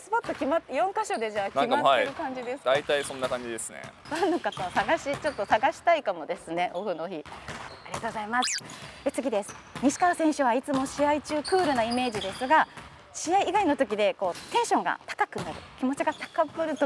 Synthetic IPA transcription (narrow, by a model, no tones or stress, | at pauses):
sɨbot̪ːo̞kʲimat̪ːjõ̞ŋkaɕo̞d̪e̞d͡ʑaːknimataeɾɯkãɲ̟d͡ʑid̪e̞sɨ̥d̪ait̪aisõ̞nːakãɲd͡ʑid̪e̞sɨnḛnãnːokat̪osaɡaɕit͡ɕo̞t̪ːo̞saɡaɕi̥t̪aikamo̞d̪e̞sɨne̞ʔo̞ɸɯno̞çiaɾʲiɡat̪oɡozaimasɨ̥e̞t͡sɨɡʲid̪e̞sɨ̥ | ɲ̟iɕi̥kaasẽ̞ɰ̃ɕɨβ̞ait͡sɨmo̞ɕiait͡ɕɨːkɯ̟ːɾɯ̟naime̞ːd͡ʑid̪e̞sɨɡa | ɕiaiːɡaino̞t̪o̞k̬ʲid̪e̞ko̞ːt̪ẽ̞ɰ̃ɕõ̞ŋɡa̰t̪ḁkakɯ̟naɾɯ̟̰kʲimo̞t͡ɕiɡat̪ḁkabɯ̟ɾɯ̟t̪o